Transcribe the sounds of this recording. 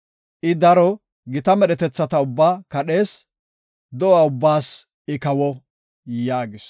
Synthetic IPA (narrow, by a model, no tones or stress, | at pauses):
ʔɪd̪ɐɾɔ | ɡɪt̪ɐmɛɗɛt̪ɛt͡sːɐt̪ɐʊbːaːkɐɗe̞ːs | d̪ɔaʊbːaːs | ɪkɐwɔ | jaːɡɪs